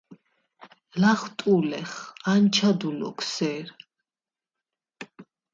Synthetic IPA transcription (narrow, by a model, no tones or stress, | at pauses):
laχt̪ʼulɛχant͡ʃʰad̪ulɔ̰kʰsɛːɾ